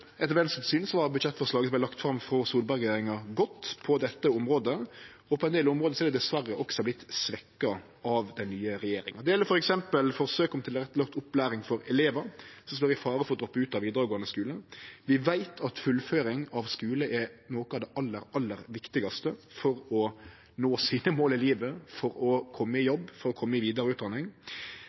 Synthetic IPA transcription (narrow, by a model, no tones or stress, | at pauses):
ɛt̪əʋɛnst̪syːnsɔʋɑbʉd̪ʃɛt̪ːfɔʁʂlɑːɡəsɔbæɪlɑkt̪fɾɑmfɾɔsuːlbɑɾɡjeːɾɪŋɑɡɔt̪ːpʰɔd̪ɛt̪ːəɔmɾoːd̪ə | ɔpʰɔɛnd̪eːlɔmʁoːd̪əsɔɛd̪ɛd̪ɛsʋærːəʔɔksɔblɪt̪ːsʋɛkːɑ | ɑʋd̪ɛnnyːəɾɛjeːɾɪ̰ŋɑd̪ɛjɛlːəɾfɔɾɛksɛmpəlfɔɾsøːkɔmt̪ʰɪlɔʁɛt̪ːəlɑkt̪ʊpːlæːɾɪŋfɔɾɛleːʋəɾsɔmst̪oːɾʋɪfɑːɾəfɔɾɔd̪ɾɔpːəʉːt̪ɑʋiːd̪əɾəɡoːɑnəskʉːlənʋɪʋæɪt̪ʰɑt̪fʉlːføːɾɪŋɑʋskʉːləʔɛnoːkɑd̪ɛʔɑlːəɾɑlːəɾʋɪkt̪ɪɡɑst̪əfɔɾɔ | noːsiːnəmoːlɪliːʋəfɔɾɔkʰɔmːəɪjɔbːfɔɾɔkʰɔmːəɪʋiːd̪ɑɾəʉːt̪d̪ɑnɪŋ